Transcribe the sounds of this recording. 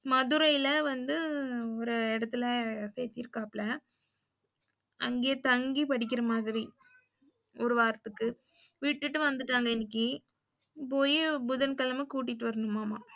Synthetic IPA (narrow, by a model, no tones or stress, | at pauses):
mɐðʊɾɐjɪlɐʋɐnd̪ɯɔɾɯɛɽɐt̪ːɪlɐseːt̪ːɪɾɯkːaːplɐ | ɐ̰ŋɡejɐt̪ɐŋɡipɐɽɪk̬ːɪɾɐmaːðɪɾi | ʔɔɾɯʋaːɾt̪ɯkːɯ | ʋiːʈːɯʈːɯʋɐnd̪ɯʈːaːŋɡɐɪnːɪk̬ːi | poːjibʊðɐnkɐlɐmekuːʈ̬ːɪʈːɯʋɐɾɐnɯmːaːmaː